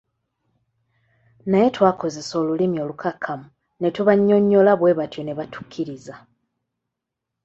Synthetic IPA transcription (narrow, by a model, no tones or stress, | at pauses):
naje̞twaːko̞ze̞so̞ːlulimio̞lukʰakʰːamu | ne̞tuβaɲːo̞ɲːo̞laβwe̞ːβatjo̞ne̞βatu̥kʰːiɾiza